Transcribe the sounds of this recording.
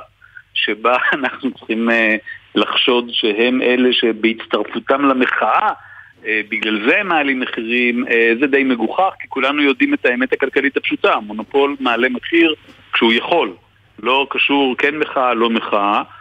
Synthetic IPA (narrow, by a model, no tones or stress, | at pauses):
ʃebaanaχnut͡sχimelaχʃo̞dʃeɦe̞mʔe̞le̞ʃe̞beitt͡st̪aʁfutamlame̞χaʔa | ebiɡlalzemaalimːeχiʁimezed̪ejme̞ɡuχaχkikulanujo̞d̪ime̞taemethakalkalithapʃutamo̞nopo̞lmaːle̞meχiʁ | kʃeujaχo̞l | lo̞kaʃuʁkenmeχaalo̞meχaʔa